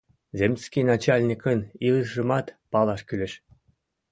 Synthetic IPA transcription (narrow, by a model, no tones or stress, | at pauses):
zʲemʲsʲkʲijnɑt͡ɕɑlʲnʲikɤniɤʐɤ̆mɑt̪pɑlˠɑʃkʲylʲĕʃ